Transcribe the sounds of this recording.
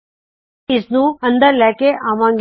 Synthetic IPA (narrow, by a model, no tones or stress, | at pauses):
ɪsnũːə̃nd̪əɾlɛːkeʔaʋãːŋɡ